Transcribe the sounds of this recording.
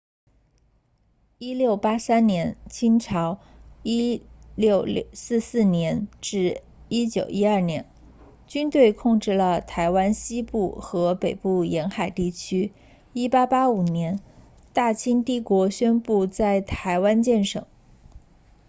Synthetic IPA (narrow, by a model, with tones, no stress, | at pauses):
i˥ljo˥˩ʊpa˥sa˥nnjɛ˧˥nt͡ɕʰi˥nʈ͡ʂʰɑ˧˥ʊi˥ljo˥˧ʊsɹ̩˥˧sɹ̩˥˩njɛ˧˥nʈ͡ʂɻ̩˥˩ | i˥t͡ɕjo˨˩ʊʔi˥ɐ˞˥˩njɛ˧˥n | t͡ɕy˥nt̪we˥˧ɪkʰʊ˥˧ŋʈ͡ʂɻ̩˥˩lə˩t̪ʰa˧˥ɪwa˥nɕi˥pu˥˩xɤ˧˥pe˨˩ɪpu˥˩jɛ˧˥nxa˨˩ɪt̪i˥˩t͡ɕʰy˥ | i˥pa˥pa˥u˨˩njɛ˧˥n | t̪a˥˩t͡ɕʰi˥ŋt̪i˥˩kwɔ˧˥ɕɥɛ˥npu˥˧t͡sa˥˩ɪt̪ʰa˧˥ɪwa˥nt͡ɕjɛ˥˩nʂɤ̰˨˩˦ŋ